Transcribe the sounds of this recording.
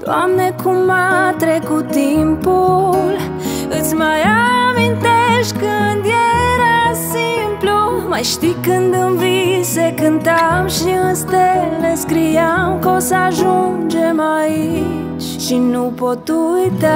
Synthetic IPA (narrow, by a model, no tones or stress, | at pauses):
d̪̥oamnekʰumːat̪ɾekut̪impul | ɨt̪sʲmajamint̪eʃt̪̚ʲkɨnd̪jeɾasimplumajʃt̪ikɨnd̪ɨnvisekɨnt̪amʃiɨnst̪eleskɾijamkosaʒund͡ʒemai | t͡ʃ | ʃinupot̪ujt̪a